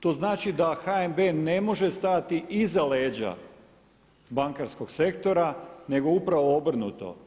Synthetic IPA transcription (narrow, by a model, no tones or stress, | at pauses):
t̪o̞ːznaːt͡ʃid̪axaembene̞mo̞ʒe̞st̪at̪iʔizale̞ːd͡ʑa̰ | baŋkaɾsko̞ɡse̞kt̪o̞ɾane̞ɡo̞upɾaʋo̞obr̩nṵt̪o̞̰